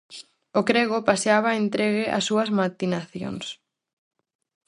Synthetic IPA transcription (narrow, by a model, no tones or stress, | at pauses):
ʊkɾɛɣʊpaseaβaent̪ɾeɣɪʔa̰sːuɐzmat̪inaθjo̰ŋs